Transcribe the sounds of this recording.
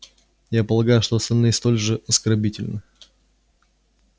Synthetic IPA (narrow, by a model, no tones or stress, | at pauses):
japəlˠɐɡajʊʂt̪oɐst̪ɐlʲnɨst̪o̞lʲʐɨʔɐskɐrbʲitʲɪlʲnə